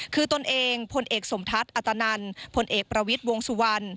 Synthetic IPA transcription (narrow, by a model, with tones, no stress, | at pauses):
kʰɯː˧t̪o˧nʔeː˧ŋpʰo˧nʔeː˨˩k̚so˨˩˦mt̪ʰa˦˥t̪̚ʔa˨˩t̪ːa˧na˧npʰo˧nʔeː˨˩k̚pɾa˧wi˦˥t̪̚wo˧ŋsu˧˩wa˧n